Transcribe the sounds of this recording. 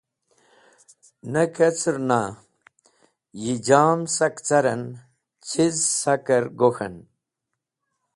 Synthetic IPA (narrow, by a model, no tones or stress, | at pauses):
nɐket͡sʰɾna | jid͡ʑaːmsɐkt͡sɐɾɐn | t͡ɕt͡sʰizsɐkɐɾɡoxɐ̰n